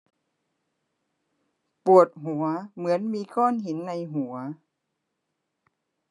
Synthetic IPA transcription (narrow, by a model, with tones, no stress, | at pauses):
pu˨˩ət̪̚ɦu˨˩˦ɐmɯ˩˦ənmiː˧kʰɔː˥˩nɦi˩˦nːa˧jɦu˨˩˦ɐ